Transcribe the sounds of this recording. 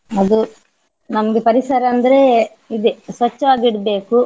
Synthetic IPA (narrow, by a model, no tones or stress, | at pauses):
ɐd̪u | nɐmɐɡepɐɾisɐɾɐːnd̪ɐɾe | id̪esʋɐt͡ʃːɐʋaːɡiɽɐbe̞ːku